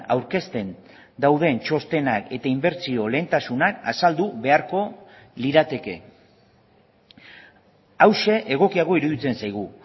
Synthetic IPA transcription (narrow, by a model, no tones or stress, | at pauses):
a̰wɾke̞st̪e̞n | d̪awð̞e̞nt͡ʃo̞st̪e̞nake̞t̪aimbe̞ɾt͡sio̞le̞ːnt̪asunaka̰sald̪uβe̞aɾko̞ | liɾat̪e̞ke̞ | awʃe̞ʔeɣ̞o̞kiaɣ̞o̞iɾuðit͡se̞nsajɣ̞u